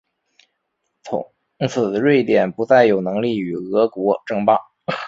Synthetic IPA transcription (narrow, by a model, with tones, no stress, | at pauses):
t͡sʰʊ̰˧˥ | t͡sʰɹ̩˨˩d̪ə˦ɻwe˥˩ɪt̪jɛ˨˩npu˧˥t͡sa˥˩ɪjo˨˩ʊnɤ˧˥ŋli˥˩y˨˩ɣɤ˧˥kwɔ˧˥ʈ͡ʂɤ˥˧ŋpɑ˥˩ŋ